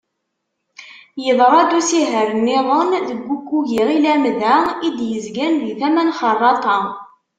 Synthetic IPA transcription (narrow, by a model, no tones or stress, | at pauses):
jəðˤɾˤɑd̪usiɦəɾənːiʁonðəɡʷːukʷːuʝiʁilæmðæid̪jəzɡænðiθæmænχərˤːɑt̪ˤɑ